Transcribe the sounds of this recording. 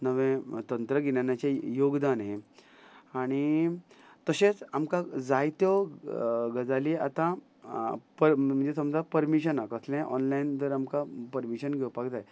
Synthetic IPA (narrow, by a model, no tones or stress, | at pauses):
nəʋẽt̪ənt̪ɾəɡinanjat͡ɕajoɡd̪anɦe | aɽ̃i | t̪əɕẽt͡samkad͡zajt̪jɔ | ɡəd͡zaliat̪ã | pəm̤əɳd͡zesəmd͡zapəɾmiɕənakəsljãʔɔ̰nlajnd̪əɾamkapəɾmiɕənɡʱewpakd͡zaj